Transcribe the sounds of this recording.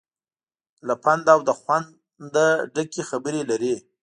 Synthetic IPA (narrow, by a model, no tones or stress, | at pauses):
lapand̪awd̪əxwand̪ | d̪əɖəkexabəɾelaɾe